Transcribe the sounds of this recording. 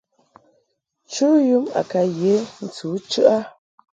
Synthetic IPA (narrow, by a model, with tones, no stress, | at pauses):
t͡ʃu˦ju˦ma̰˨ka˨je˨˦n̩˨t͡su˨˦t͡ʃɯ˦ʔa˦